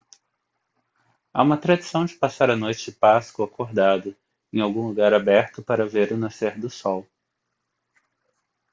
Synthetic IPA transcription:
a̰ũmɐt̪ɾad͡ʒisɐ̃w̃d͡ʒɪpasaɾɐnojt͡ʃɪpaskʊakoɾd̪ad̪ʊ | ẽj̃awɡũluɡaɾabɛɾt̪ʊpaɾɐveɾʊnaseɾd̪ʊsɔw

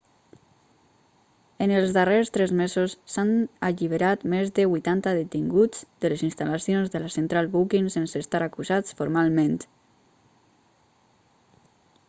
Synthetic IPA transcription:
ənəlˠzðərest̪ɾɛzmezosːanaʎiβ̞əɾat̪mezðəβujt̪ant̪əðət̪iŋɡud͡z̥d̪ələzinst̪alasijonzðəlasənt̪ɾalˠβukinsensəst̪aɾakuzat͡sfoɾmalˠmẽnt̪

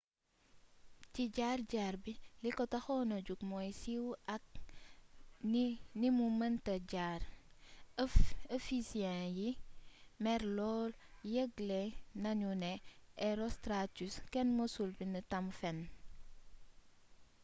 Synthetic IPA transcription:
ciɟarɟaːɾbilikɔtɐxɔnɐɟukmɔjsiwʔɐk̚ | nimumɐntɐɟaːɾ | əfisiɛ̃ji | mɛɾlɔːl | jəɡlenɐɲunɛʔɛɾɔstɾatuskɛnmosulbinətɐmfɛn

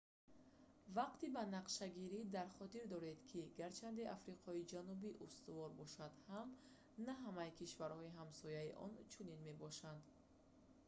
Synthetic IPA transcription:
vaqt̪ibanaqʃaɡiɾid̪aɾχɔt̪iɾd̪ɔɾe̞d̪kʰiɡaɾt͡ʃʰand̪iʔafɾiqʰɔid͡ʒanubiʔust̪uvɔɾbɔʃad̪ham | naɦamajkʰiʃvaɾhɔiɦamsɔjaiʔɔ̰nt͡ʃʰuninme̞bɔʃand̪

